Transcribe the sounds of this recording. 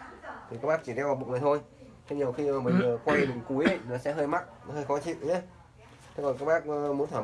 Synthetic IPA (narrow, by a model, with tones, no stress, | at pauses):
t̪ʰi˨˩kaː˦˥ɓaː˦˥k̚t͡ɕi˧˩ɾɛ˧wa˨˩ɓṵ˨ŋɨː˨˩t̪ʰo˧j | t̪ʰɲi˨˩əwxi˧maː˨˩mï˨˩ŋzə˨˩kwa˧jɗɨ˨˩ŋ͡mku˨˦jʔnɔ˨˦sɛ̰˧˥ɦəː˧jma˦˥t̚nɔ˨˦həː˧jxɔ˨˦t͡ɕḭ˧˨nʔɲe˨˦ | t̪ʰe˨˦kɔ˨˩nkaː˦˥k̚ɓaː˦˥k̚ːmu˨˦nt̪ʰwaː˧˩